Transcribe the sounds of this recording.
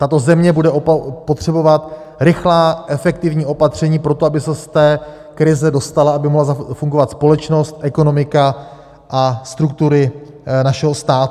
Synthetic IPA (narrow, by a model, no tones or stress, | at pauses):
t̪at̪o̞zɛmɲɛbudɛʔopot̪r̝̥ɛbo̞vat̪ | ɾɪxlaːʔɛfɛk̚t̪ɪvɲiːʔo̞pat̪r̝̥ɛɲiːpɾo̞t̪oabɪsɛst̪ɛː | kɾɪzɛdo̞st̪alaabɪmoɦlazafuŋɡo̞vat̪spo̞lɛt͡ʃno̞st̪ʔɛko̞no̞mɪka | ʔast̪ɾuk̚t̪uɾɪ | naʃɛɦost̪aːt̪